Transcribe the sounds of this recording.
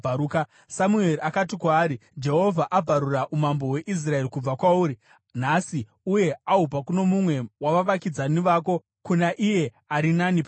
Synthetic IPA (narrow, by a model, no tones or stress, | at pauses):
aɾuka | samue̞riakat̬ikwaːɾid͡ʒe̞ɦo̞vʱaʔab͡vʱaɾuraʔumambo̞we̞ʔis̬rae̞rikub͡vakwauːɾi | nasi | uje̞aɦupakuno̞mumwe̞waʋaʋakid͡zaniʋaːko̞ | kunaʔije̞ | aɾinanip